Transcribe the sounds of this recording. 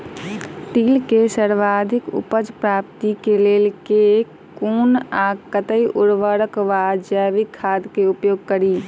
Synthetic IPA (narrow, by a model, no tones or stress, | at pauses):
ʈiːlkesəɾʋaːd̪ʱɪkʊ̰pəd͡ʒpɾaːp̚t̪ikeleːlke | kuːnaːkət̪əiʔʊɽʋəɽəkʋaːd͡ʒjaːʋikʰːaːd̪keʊpjoːɡ̚kəɾiː